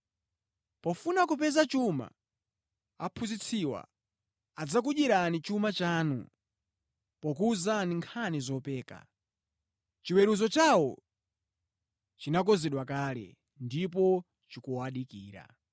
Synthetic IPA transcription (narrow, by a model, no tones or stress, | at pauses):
pɔfunakupɛzat͡ʃuma̰ | apʰuzit͡sʰiwa̰ | ad͡zak̬uʄiɾanit͡ʃumat͡ʃaːnṵ | pɔk̬uːzaniŋkʰanizɔpɛːka̰ | t͡ʃiwɛɾuzɔt͡ʃawɔ | t͡ʃinak̬ɔzɛɗwakaːlɛ̰ | ndip̬ɔ | t͡ʃikuwaɗikiːɾa̰